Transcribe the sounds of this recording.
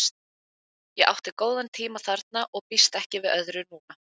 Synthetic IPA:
st̪̚ | jɛɣa̰wht̪ɪkoːwðant̪ʰiːmaθaɾt̪̚naʔɔɣpist̪ɛhcɪvɪðœðɾʏnuːna

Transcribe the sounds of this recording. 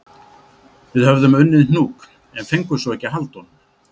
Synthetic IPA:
vɪðhœvðʏmʏnːɪðn̥uːk | ɛnfejŋkʏsɔwɛhcːɪɦalt̪hɔnʏm

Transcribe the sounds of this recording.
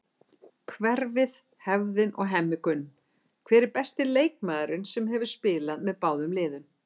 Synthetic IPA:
kʰvɛɾvɪð | hɛvðɪnʔɔ̰ɣɦɛmːɪkʏnː | kʰvɛːɾɪɾpɛst̪ɪleːjkmaːðɾʏnsɛmɦɛvʏɾ̥spɪːlaðmɛðpaːwðʏmlɪːðʏn

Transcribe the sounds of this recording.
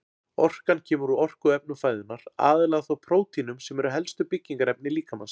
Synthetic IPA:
ɔr̥kancʰɛːmʏɾʏɔr̥kʏɛp̚nʏfaːjðɪnːaɾa̰ːðɪlaːɣaθawpʰɾoːwt̪inʏmsɛmɛɾʏɦɛlst̪ʏpɪcːiŋkaɾɛp̚nɪliːkama̰ns

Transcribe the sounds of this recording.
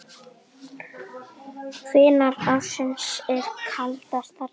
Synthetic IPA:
kʰvɪːnaɾpasɪnsɛɾ̥kʰalt̪ar̥t̪aɾ

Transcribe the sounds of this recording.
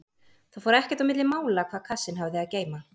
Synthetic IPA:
θawfɔːɾʏɛhcɛ̥t̪awmɪt̪lɪmaːwlakʰvaːðkʰasːɪnɦavðɪaðceːjma

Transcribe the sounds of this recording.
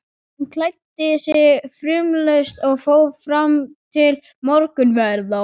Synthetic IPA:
hnkʰlajt̪ːɪsjɛfɾʏːmlœɥst̪ɔɣfoːwfɾamt̪ʰɪl | mɔɾkʏnvɛɾða

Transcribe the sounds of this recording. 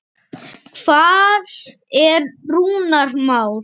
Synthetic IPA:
kʰv̥aːð | ɛɾruːnaɾmaːwɾ̥

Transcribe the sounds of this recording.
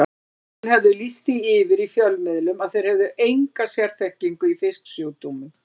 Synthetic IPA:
nhɛvðʏlist̪iɪvɪɾifjœlmɪðlʏmaðθejɾ̥hɛvðʏʔejŋkasjɛɾ̥θɛhciŋkʏifɪsksjoːwt̪umʏ

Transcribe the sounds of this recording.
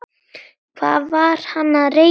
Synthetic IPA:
v̥a̰vaɾhanaɾe

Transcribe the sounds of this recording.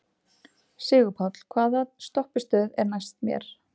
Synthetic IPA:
sɪːɣʏpʰawt̪l̥kʰvaːðat̪st̪ɔhpɪ̥st̪œːðɛɾnajst̪̚mjɛ̰ɾ̥

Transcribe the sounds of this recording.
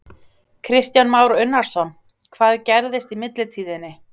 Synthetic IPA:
kʰɾɪst̪janmaːwɾʏnːaɾ̥sɔn | kʰvaːðcɛɾðɪst̪imɪt̪lɪt̪ʰiːðɪnːɪ

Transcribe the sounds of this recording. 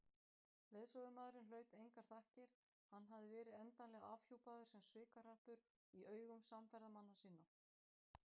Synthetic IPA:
leːðsɔvʏmaðɾɪnlœːɥt̪ejŋkaɾ̥θahcɪɾ̥ | hanːɦavðɪvɛːɾɪðɛnt̪anlɛːɣaavçuwpaðʏɾ̥sɛmsvɪːkar̥ahpʏɾ | iʔœːɥɣʏmsamfɛɾðamanːasiːnːa

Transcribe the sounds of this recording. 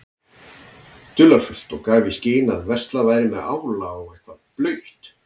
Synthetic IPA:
t̪ʏlaɾfʏl̥t̪ɔɣkaːvisceːnaðvɛr̥st̪lavajɾɪmɛða̰ːwlaɔɣejhkvaðplœɥht̪

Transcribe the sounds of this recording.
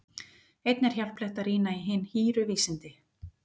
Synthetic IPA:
ejt̪nɛɾ̥çawl̥pleht̪aɾiːnaiɦɪnːhiːɾʏviːsɪnt̪ɪ

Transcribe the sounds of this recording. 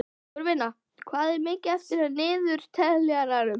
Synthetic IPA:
ɔɾvɪnːa | kʰvaːðɛɾmɪːcɪaft̪ɪɾanɪːðʏɾ̥t̪ʰɛðlɛaɾaɾʏm

